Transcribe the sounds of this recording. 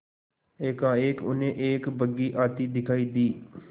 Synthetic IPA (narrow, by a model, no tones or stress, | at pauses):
eːkãːeːkʊ̰nẽːʔeːkbəɡiːʔaːt̪iːd̪ɪkʰaːiːd̪iː